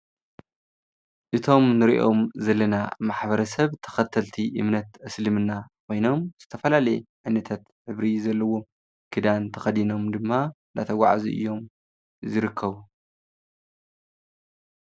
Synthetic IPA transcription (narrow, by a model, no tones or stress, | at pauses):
ʔɨt̪ʰo̞mnɨɾiʔo̞mzɐlːɐna̰maħbɐɾɐsɐβt̪ʰɐ̥xɐt̪ʰːɐlt̪ʰiʔɨ̰mnɐt̪ʔɐslɨmɨnːakʰʷo̞jno̞mz̥ɨt̪ʰɐfɐlalɐjɛʕajnɐt̪ʰat̪ħɨβɾizɐlːɐwo̞m | kʰɨd̪ant̪ʰɐxɐd̪ino̞md̪ɨmːand̪a̰t̪ʰɐɡʷaʕazḭʔɨ̰jːo̞m | zɨɾɨkʰːɐβu